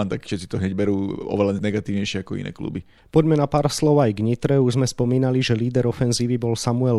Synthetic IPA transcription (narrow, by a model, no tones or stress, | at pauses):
ant̪akfʃɛt̪t͡sːit̪ɔɦɲɛɟbɛɾuːɔ̰ʋɛlanɛɡat̪iːʊɲɛjʃɪɛakɔḭnɛ̰ːklṵbi | pɔɟmɛnapaːɾslɔʊajɡɲit̪ɾɛuʒzmɛspɔmiːnaliʒɛliːd̪ɛɾɔfɛnziːʋibɔlsamuɛl